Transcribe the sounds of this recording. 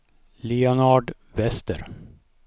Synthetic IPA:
liɔnaɖ | vɛst̪əɾ

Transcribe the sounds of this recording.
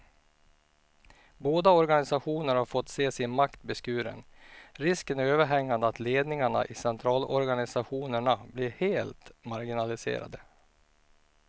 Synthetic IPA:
boːd̪aɔɾɡanɪsaɧuːnəɾhaɾfɔt̪ːseːsɪnmakt̪bɛskʉːɾə̰nɾɪskənæɾøːvəɾɦɛŋːand̪əat̪leːd̪nɪŋaɳa̰ʔɪsɛnt̪ʰɾɑːlɔɾɡanɪsaɧuːnəɳablɪɾheːlt̪maɾɡɪnalɪsḛːɾa̰d̪ə

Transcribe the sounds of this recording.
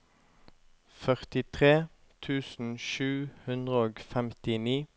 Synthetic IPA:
fœʁt̪ɪt̪ʰʁeː | t̪ʰʉːsn̩ʃʉːhʉnd̪ʁəoːɡfɛmt̪ɪniː

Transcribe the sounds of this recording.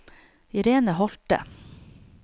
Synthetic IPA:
ɪɾeːnəhɔlt̪ə̰

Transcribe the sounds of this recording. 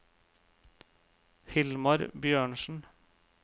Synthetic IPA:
hɪlmɑɾbjøːɳʃn̩

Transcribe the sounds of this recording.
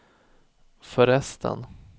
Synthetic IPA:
fœɾɛst̪ʰə̰n

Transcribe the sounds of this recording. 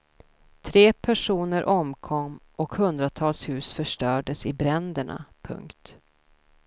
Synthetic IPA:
t̪ʰɾeːpʰæʂuːnəɾʔɔmkʰɔmːʔɔkhɵnd̪ɾat̪ʰɑːlshʉ̟ːsfœʂʈœːɖəsɪbɾɛnd̪əɳa̰pʰɵ̰ŋkt̪

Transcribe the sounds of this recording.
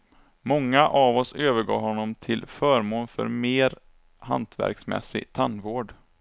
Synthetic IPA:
mɔŋːaʔavɔsøːvəɾɡɑ̰ːɡɦɔnːɔmt̪ʰɪlfœːɾmoːnfœ̰ɾmeːɾ | ha̰nt̪ʰvæ̰ɾksmɛ̰sɪ̰ɡt̪ʰanvoːɖ

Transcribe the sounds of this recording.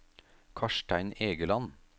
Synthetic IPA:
kʰɑʃʈæɪneːɡəlɑn

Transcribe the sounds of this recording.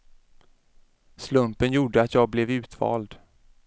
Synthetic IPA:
slɵmpənjuːɖəat̪jɑːɡ̚blɛvʉ̟ːt̪vɑ̰ːld̪

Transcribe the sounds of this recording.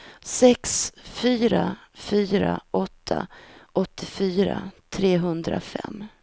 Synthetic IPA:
sɛksfyːɾafyːɾaʔɔt̪ʰːaʔɔt̪ʰːɪfyːɾa̰t̪ʰɾeːɦɵnd̪ɾafɛ̰mː

